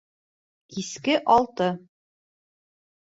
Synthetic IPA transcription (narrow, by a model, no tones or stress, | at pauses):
kiskɘʔɒlˠt̪ɤ